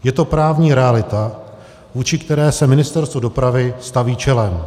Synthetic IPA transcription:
jɛt̪o̞pɾaːvɲiːɾɛalɪt̪a | vuːt͡ʃɪkt̪ɛɾɛːsɛmɪnɪst̪ɛɾst̪vodo̞pɾavɪst̪aviːt͡ʃɛlɛm

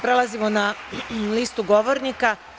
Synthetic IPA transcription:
pɾelˠazimonaliːst̪uɡoʋoɾnika

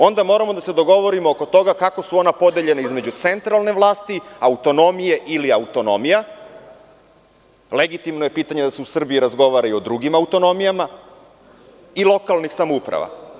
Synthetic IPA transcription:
o̞nd̪amo̞ɾamod̪ase̞d̪o̞ɡo̞ʋo̞ɾimooko̞t̪o̞ɡakako̞suo̞napo̞d̪eʎe̞naizme̞d͡ʑut̪se̞nt̪ɾalˠne̞ʋlˠaːst̪iaut̪o̞no̞mije̞ʔiliaut̪o̞no̞̰mija | leɡit̪imnoje̞piːt̪aɲed̪aseusr̩bijiɾazɡo̞ʋaɾaio̞d̪ɾuɡimaut̪o̞no̞mijama | ilˠo̞kalˠnixsamoupɾa̰ʋa̰

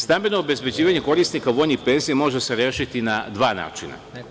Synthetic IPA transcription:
st̪ambenoobe̞zbe̞d͡ʑiːʋaɲeko̞ɾisnikaʋo̞jnixpe̞nzijemo̞ʒeseɾʲjeːʃit̪inad̪ʋaːna̰ːt͡ʃina̰

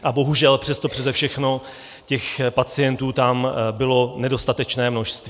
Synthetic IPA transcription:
ʔabo̞ɦuʒɛlpr̝̥ɛst̪opr̥ɛzɛfʃɛxno̞ | cɛxpat͡sɪjɛnt̪uːt̪ambɪlo̞nɛdo̞st̪at̪ɛt͡ʃnɛːmno̞ʃst̪viː

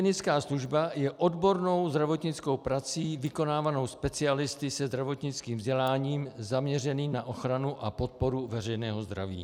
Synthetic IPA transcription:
nɪt͡skaːsluʒbajɛʔo̞dbo̞ɾno̞wzd̪ɾavo̞t̪ɲɪt͡sko̞wpɾat͡siːvɪko̞naːvano̞wspɛt͡sɪalɪst̪ɪsɛzd̪ɾavo̞t̪ɲɪt͡skiːmvzɟɛlaːɲiːmzamɲɛrɛniːnaʔo̞xɾanuʔapo̞t̪̚po̞ɾuvɛrɛjnɛːɦo̞zd̪ɾa̰vḭː

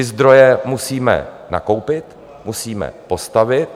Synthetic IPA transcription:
ɪzd̪ɾo̞jɛmusiːmɛ̰ | na̰ko̞wpɪt̪ | musiːmɛ̰po̞st̪avɪt̪̚

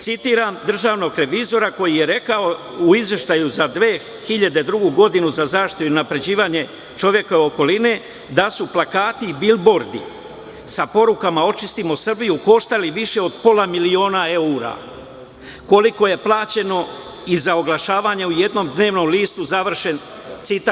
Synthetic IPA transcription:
t̪sit̪iːɾamd̪r̩ʒaːʋno̞ɡɾe̞ʋizo̞ɾako̞jije̞ɾe̞kao̞ | uizʋje̞ʃt̪ajuzad̪ʋe̞ː | xiʎad̪e̞d̪ɾuɡuɡo̞d̪inuzazaːʃt̪iuiunapɾe̞d͡ʑiːʋaɲe̞ | t͡ʃo̞ʋje̞kaoko̞line | d̪asuplakaːt̪ibilbo̞ɾd̪ḭ | sapo̞ɾukamao̞t͡ʃist̪imo̞sr̩bijuko̞ʃt̪aliʋiʃe̞o̞d̪po̞lˠamilio̞ːnae̞uɾa̰ | ko̞liko̞je̞plˠaːt͡ɕe̞no̞ | izao̞ɡlˠaʃaːʋaːɲeuje̞d̪no̞ːmd̪ne̞ːʋno̞mliːst̪uzaʋr̩ʃe̞n | t̪sit̪a

